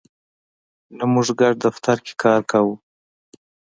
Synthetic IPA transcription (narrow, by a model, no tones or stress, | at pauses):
namʊʐɡaɖ̚d̪aft̪aɾke̥kɑɾkawu